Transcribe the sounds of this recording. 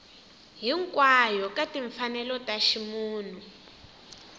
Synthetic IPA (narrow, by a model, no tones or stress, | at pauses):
ɦiŋkwajɔkatiɱfanɛlɔtaʃimuːn̤u